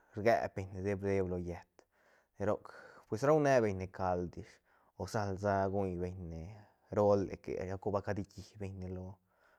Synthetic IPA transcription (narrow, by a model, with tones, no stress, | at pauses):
ɾɡḛ˧be˧ɲne˧d̪e˦bɾd̪e˦blo˨je˨t̪ | ne˨ɾo˦˨kpwe˧sɾa˦wne˦be˧ɲne˨ka˧ld̪i˨ʂ | o˨sa˦lza˦ɡu˦jbe˧ɲne˨ | ɾo˦lḛ˨kḛ˨ja˧˦ku˦ba˧ka˧d̪i˦ki˨be˧ɲne˧lo˧